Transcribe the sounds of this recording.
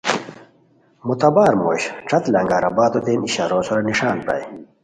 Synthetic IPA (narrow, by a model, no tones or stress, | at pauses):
mut̪ɐbaːɾmo̰ːɕʈ͡ʂʰɐt̪lɐŋɡaːɾɐbaːt̪ot̪eːniɕa̰ːɾoːsoɾɐniʂaːnpɐ̰j